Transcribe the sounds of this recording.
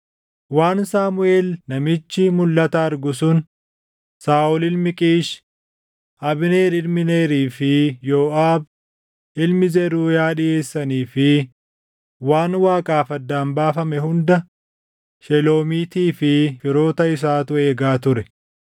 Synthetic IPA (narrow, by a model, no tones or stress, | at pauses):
waːnsaːmʊe̞ːlnɐmɪt͡ʃːɪmʊlːɐt̪ɐːɾɡʊsʊn | saːʔʊlɪlmɪkʼiːʃ | ʔɐbɪne̞ːlɪlmɪne̞ːɾiːfɪjoːʔaːb | ʔɪlmɪzɛɾuːjaːᶑɪje̞ːsːɐniːfɪ | waːnwaːkʼaːfɐd̪ːaːnbaːfɐmɛhʊnd̪ɐ | ʃɛlo̞ːmiːt̪iːfɪfɪɾo̞ːt̪ɐɪs̬aːt̪ʊeːɡaːt̪ʊɾɛ